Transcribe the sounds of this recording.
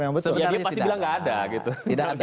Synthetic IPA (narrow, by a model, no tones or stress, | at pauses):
jaŋbət̪jadiapast̪ibilaŋɡaːdaɡit̪ubaŋ